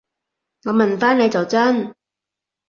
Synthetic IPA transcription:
ŋɔː˨˧mɐ˨nfaː˥ne˨˧jt͡sɐ˨wt͡sɐ˥n

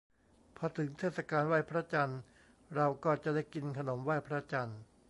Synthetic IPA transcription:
pʰɔː˧t̪ʰɯ˩˦ŋt̪ʰeː˥˩t̪̚sa˧kaː˧nwaː˥˩jpʰɾa˦˥t͡ɕa˧n | ɾa˧wkɔː˥˩t͡ɕa˨˩daː˥˩jki˧nkʰa˧no˩˦mwaː˥˩jpʰɾa˦˥t͡ɕa˧n

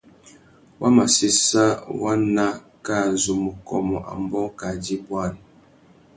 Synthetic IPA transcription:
wa˦ma˨si˦sa˦wa˦na˦ | ka˦˨zu˨mu˨kɔ˨mɔ˨ʔa̰˨mbɔ˦ka˨di˦bwa˦˨n˨

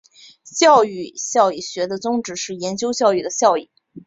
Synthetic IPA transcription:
ɕjɑ˥˧ʊy˥˩ɕjɑ˥˧ʊi˥˩ɕɥɛ˧˥d̪ə˧t͡sʊ˥ŋʈ͡ʂɻ̩˧˥ʂɻ̩˥˩jɛ˧˥nt͡ɕjo˥ʊɕjɑ˥˧ʊy˥˩d̪ə˩ɕjɑ˥˧ʊi˥˩

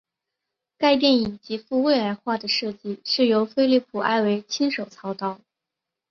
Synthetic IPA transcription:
ka˥˧ɪt̪̬jɛ˥˩ni˨˩nt͡ɕi˧˥fu˥˧we˥˩ɪla˧˥ɪxwa˥˩d̪ə˩ʂɤ˥˧t͡ɕi˥˧ʂɻ̩˥˩jo˧˥ʊfe˥ɪli˥˩pʰu˨˩ʔa̰˥˧ɪwe˧˥ɪt͡ɕʰi˥nʂo˨˩ʊt͡sʰɑ˧˥ʊt̪ɑ˥˩ʊ

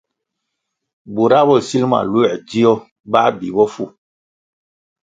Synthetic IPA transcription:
bu˨ɾa˦bɔ˦˨si˦lma̰˨lu˦ɛ˨d͡ʒi˦jɔ˦ | ba˦bi˨bɔ˦fu˦˨

